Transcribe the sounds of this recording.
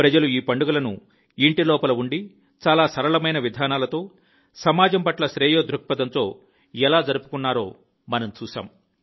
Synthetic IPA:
pɾɐd͡ʒɐluiːpɐɳɖuɡɐlɐnṵ | iɳʈilɔːpɐlɐuɳɖi | t͡ʃaːlaːsɐɾɐɭɐmɐjnɐʋid̪ʱaːnaːlɐt̪o̞ː | sɐmaːd͡ʒɐmpɐʈlɐʃɾeːjoːd̪ɾuk̚pɐd̪ɐnt̪o̞ː | ɛlaːd͡ʒɐɾupu̥kunːaːɾo̞ː | mɐnɐmt͡ʃuːʃa̰ːm

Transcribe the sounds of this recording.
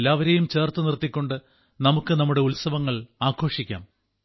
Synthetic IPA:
lːaːʋɐɾe̞jumt͡ɕe̞ːrt̪ɨnirt̪ːikʲːo̞ɳɖɨ | nɐmukːɨnɐmːuɽe̞ulsɐʋɐŋːɐɭaːkʰo̞ːʂikʲːa̰ːm

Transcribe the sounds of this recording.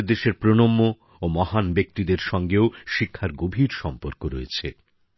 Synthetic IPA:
ɾd̪eʃeɾpɾonomːoː | mɔɦanbek̚t̪id̪eɾʃɔŋɡeoʃikʰːaɾɡobʱiɾʃɔmpoɾkoɾojet͡ɕʰe

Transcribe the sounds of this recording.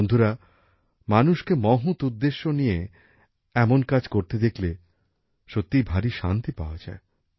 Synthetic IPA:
nd̪ʱuɾa | manuʃkemɔɦut̪ud̪ːeʃːonije | ɛmonkad͡ʑkoɾt̪ed̪ekʰle | ʃot̪ːibʱaɾiʃa̰nt̪ipa̰oad͡ʑae

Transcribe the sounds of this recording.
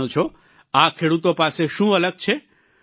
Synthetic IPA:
õt͡ʃʰo | akʰeɽut̪opaseʃũələɡ̚t͡ʃʰe

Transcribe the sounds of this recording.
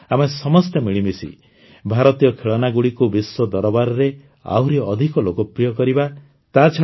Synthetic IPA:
amesɔmɔst̪emiɭimisḭ | bʱaɾɔt̪ijɔkʰeɭɔnaɡuɽikubiswɔd̪ɔɾɔbaɾɔɾe | a̰wɾiɔd̪ʱikɔlokɔpɾijɔkɔɾiba | t̪at͡ʃʰa

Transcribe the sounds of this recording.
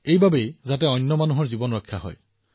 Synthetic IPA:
ejbabejzatɛɔjnːɔmanuɦɔɹzibɔnɹɔkʰːja̰ɦɔ̰j

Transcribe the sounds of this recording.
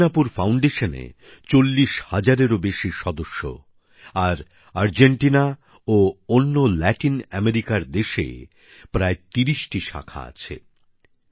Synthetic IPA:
napuɾfawɳɖeʃanḛ | t͡ɕolːiʃhad͡ʑaɾeɾobeʃiʃɔd̪oʃːo̰ | aɾ | aɾd͡ʑeɳʈina | oonːolɛʈinɛmeɾikaɾd̪eʃḛ | pɾaet̪iɾiʃʈiʃa̰kʰa̰a̰t͡ɕʰḛ

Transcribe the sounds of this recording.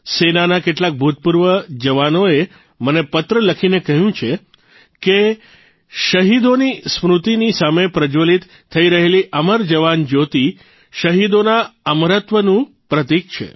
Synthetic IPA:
senanakeʈlak̚bʱut̪̚puɾʋəd͡ʒəʋanoe | mənepət̪ɾələkʰinekəɦjũt͡ʃʰe | ke | ʃəɦid̪onismɾut̪inisamepɾəd͡ʒolit̪ʰːəiɾəɦeliʔəməɾd͡ʒəʋand͡ʒot̪i | ʃəɦid̪onaəmɾət̪ʋənũ | pɾət̪ik̚t͡ʃʰḛ

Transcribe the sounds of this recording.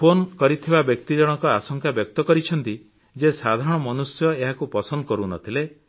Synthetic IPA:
pʰonkɔɾit̪ʰibabjɔk̚t̪id͡ʒɔɽ̃ɔkɔasɔŋkabjɔk̚t̪ɔkɔɾit͡ʃʰɔnt̪i | d͡ʒesad̪ʱaɾɔɽ̃ɔmɔnusjɔeɦakupɔsɔnd̪ɔkɔɾunɔ̰t̪ʰile

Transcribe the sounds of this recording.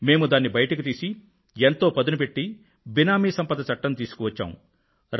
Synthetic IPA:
me̞ːmud̪aːnːibɐjɐʈɐkit̪iːsi | ent̪o̞ːpɐd̪unup̬e̞ʈːi | binaːmiːsɐmpɐd̪ɐt͡ʃɐʈːɐnt̪iːsu̥kɔʋɐt͡ʃːa̰ːmṵ | ɾ

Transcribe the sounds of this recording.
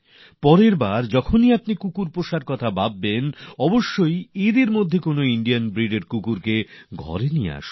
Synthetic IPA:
pɔɾeɾbaɾd͡ʑɔkʰoniapnikukuɾpoʃaɾkɔt̪ʰababːenɔboʃːojid̪iɾmod̪ʱːekonoiɳɖijanbɾiɖeɾkukuɾkeɡʱɔ̰ɾenijḛa̰ʃ

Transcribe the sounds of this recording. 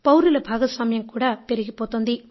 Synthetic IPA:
pɐwɾilɐbʱaːɡɐsʋɐmɐjɐmkuːɽaːpe̞ɾiɡipoːt̪oːnd̪i

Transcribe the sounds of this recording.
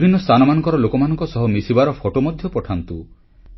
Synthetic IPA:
bʱinːɔst̪ʰanɔmanɔŋkɔɾɔlokɔmanɔŋkɔsɔɦɔmisibaɾɔpʰoʈomɔd̪ʱjɔpɔʈʰant̪u

